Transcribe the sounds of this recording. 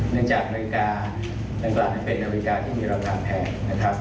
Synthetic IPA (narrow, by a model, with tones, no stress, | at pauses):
nɯ˥˩əŋt͡ɕaː˨˩k̚ma˧ɾi˧kaː˧ | da˨˧ŋklaː˨˩a˥˩pe˧nːʔa˧me˧i˧kaː˧t̪ʰiː˥˩miː˧ɾaː˧kʰaː˧pʰɛː˧nːa˦˥kʰɾa˦˥p̚